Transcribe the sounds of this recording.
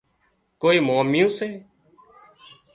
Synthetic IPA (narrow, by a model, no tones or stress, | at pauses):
koːiːmãːmɪjũːseː